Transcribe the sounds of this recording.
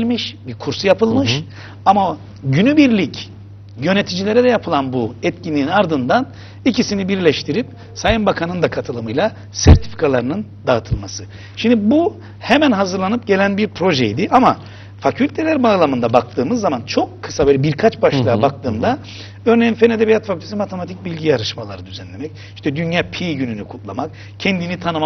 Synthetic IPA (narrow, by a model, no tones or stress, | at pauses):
lʲmiʃbiɾkʰuɾsujapɯlˠmɯʃ | ama | ɟynybiɾlʲic | jø̞net̪ʰid͡ʒilʲe̞ɾɛd̪ɛjapʰɯlˠanbuɛt̪̚cʰinʲiːnaɾd̪ɯnd̪an | icʰisinibiɾlʲɛʃt̪ʰiɾip̚ | sajɯnbakʰanɯnd̪akʰat̪ʰɯlˠɯmɯjlˠa | sæɾt̪ʰi̥fi̥kʰalˠaɾɯnɯnd̪at̪ʰɯlˠmasɯ | ʃimd̪ibu | hemænɦazɯɾlˠanɯp̚ɟe̞lʲænbiɾpʰɾo̞ʒɛjd̪iʔama | facʰylʲt̪ʰe̞lʲæɾbaːlˠamɯnd̪abak̚t̪ʰɯːmɯzːamant͡ʃʰo̞kʰːɯ̥savelʲɛbiɾkʰat͡ʃbaʃlˠajabak̚t̪ɯːmd̪a | ø̞ɾnejinfened̪ebijat̪facʰylʲt̪ʰsimat̪ʰe̞mat̪ʰic̚bilʲɟijaɾɯʃmalˠa̰ɾɯd̪yzɛnlʲe̞mɛc̚ | iʃt̪ʰɛd̪ynjaːpʰiɟynynykʰut̪lˠamak̚ | cʰɛnd̪init̪ʰanɯma